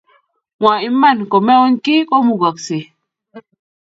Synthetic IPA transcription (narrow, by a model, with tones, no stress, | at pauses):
ŋwa˨i˦mːa˦˨nko˨me˦o˦nki˦ko˦mu˨ɡa˨kse˨